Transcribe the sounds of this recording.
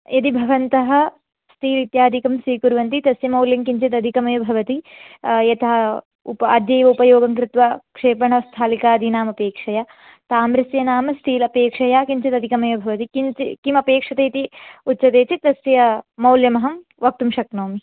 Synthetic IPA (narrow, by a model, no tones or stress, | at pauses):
jɐt̪̬ibʱɐʋɐnt̪ɐɦɐ̆ | st̪ʰiːlit̪jaːd̪ʱikɐmsiːkuɾʋɐnt̪̬it̪ɐsjɐmɐwljɐmkiɲt͡ʃɐt̪ɐd̪ʱikɐmɐjɐbʱɐʋɐt̪ijɐt̪ɐɦɐ | upɐd̪jɐjʋɐupɐjoːɡɐŋkɾɪt̪ʋɐkʂeːpɐɳɐst̪ʰaːlikaːd̪ʱinaːmɐpeːkʂɐja | t̪aːmɾɐsjɐnaːmɐst̪ʰiːlɐpeːkʂɐjakiɲt͡ʃɐt̪ɐd̪ʱikɐmɐjɐbʱɐʋɐt̪ikikimɐpeːkʂɐt̪ɐit̪iutːt͡ʃɐt̪eːt͡ʃit̪ɐsjɐmɐwljɐmɐɦɐm | ʋɐk̚t̪umʃɐknoːmi